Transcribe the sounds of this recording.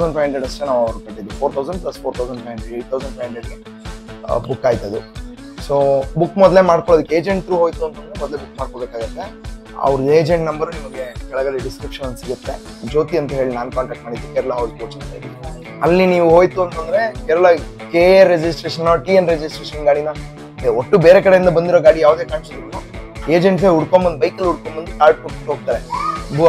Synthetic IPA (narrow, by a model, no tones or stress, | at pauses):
ɐwsɐɳɖpʰajɦɐɳɖɾeɖɐsʈenaːʋɐʋɐɾpɐʈːid̪ːipʰoːɾt̪ʰɐwsɐɳɖplɐspʰoɾt̪ʰɐwsɐɳpɐjɦɐɳɖɾeɖeːʈ̚t̪ʰɐwsɐɳɖpʰɐːjɦɐɳɖɾeɖɡe | bukːaːjt̪ɐd̪u | soːbukːmɔd̪le̞maːɽkoɭod̪ukːeeːd͡ʒe̞ɳʈɾuːɦoːjt̪uɐnt̪ɐnmɔd̪le̞bukːmaːɖ̚kobekaːɡɐt̪ːe̞ | ɐ̰ʋɾueːd͡ʒeɳʈnɐmbɐɾunimɐɡekɛɭɐɡɐliɖiskɾipʂɐnɐnsiɡut̪ːe̞ | d͡ʒoːt̪iɐnt̪ɐɦe̞ːɭnaːnukaːɳʈɛːk̚ʈmaːɽid̪ukːɛɾɛlaɦaʋd̪poːt͡ʃɐnɐ̰ːɡid̪u | ɐ̰lːiniːʋuɦo̞ːjt̪uɐnt̪ɐnd̪ɐɾe̞kɛɾɛlɐ | keːeɾed͡ʒisʈɾeːʃɐnːɐʈiːenɾed͡ʒisʈɾeːʃɐnɡaːɽinɐ | oʈːubeːɾekɐɽe̞jind̪ɐbɐnd̪iɾoːɡaːɽijaːʋud̪e̞ːkaːɳsid̪ɾunue̞ːd͡ʒeɳʈs̬euɽkombɐnd̪bɐjkɐlːuɽ̚kombɐnd̪uʈaːɾʈ̚koʈ̚kuʈɦoɡ̚t̪aːɾebʱu